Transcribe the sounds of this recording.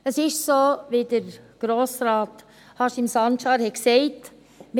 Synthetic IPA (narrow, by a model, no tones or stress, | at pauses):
əsɪʃsoːʋid̪əɾɡ̥ɾoːsɾɑːt | hɑʃimsɑnʃɑːɾhɛksɛɪt | m